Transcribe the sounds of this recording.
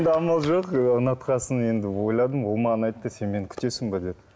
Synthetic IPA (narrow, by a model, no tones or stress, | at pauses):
nd̪ɪɑmɑlˠʒoqənɑt̪qɑsəne̞nd̪ɪwo̞jlˠɑd̪əmwomɑnɑjt̪ːəse̞nme̞nkʲʰʏ̥t̪e̞sɪmbɑd̪e̞d̪ɪ